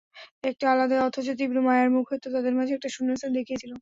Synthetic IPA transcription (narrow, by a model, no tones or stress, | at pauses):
ek̚ʈialad̪aɔt̪ʰot͡ɕot̪̬ibɾumajaɾmukʰɦot̪ot̪ad̪eɾmad͡ʑʱeɛk̚ʈaʃunːesad̪ekʰijet͡ɕʰilo